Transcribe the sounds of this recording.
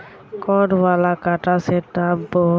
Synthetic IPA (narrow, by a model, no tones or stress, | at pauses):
kɔnwalakaʈasɛtabɔ